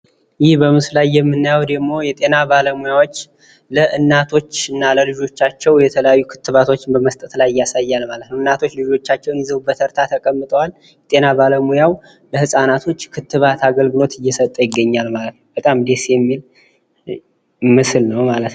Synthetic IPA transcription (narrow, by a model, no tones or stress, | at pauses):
jɪhbəmɨslajːɛmːɨnːajawd̪əɡmo̞jɛt̪ʼe̞nabaləmujawo̞t͡ʃː | ləʔɨnːat̪ʰo̞t͡ʃːɨnːaləlɨd͡ʒo̞t͡ʃːat͡ʃːɛwjɛt̪ʰələjajːukʰɨ̥t̪ʰːɨβat̪ʰo̞t͡ʃːɪnbəməst̪ʼət̪lajɪjːasajːalmalət̪nəwɨnːat̪ʰo̞t͡ʃːlɨd͡ʒo̞t͡ʃːat͡ʃːɛwnjizəwubːət̪ʰəɾt̪ʰat̪ʰəkʼəmːɨt̪ʼəwal | jɛt̪ʼe̞naβaləmujaw | bəhɨsʼanat̪ʰo̞t͡ʃːkʰɨt̪ːɨβat̪ʰaɡəlɡɨlo̞t̪ɨjːɛsət̪ʼːəjɪɡːəɲːalmalət̪nəwbət̪ʼamd̪e̞sjɛmːil | mɨslnəwmalət̪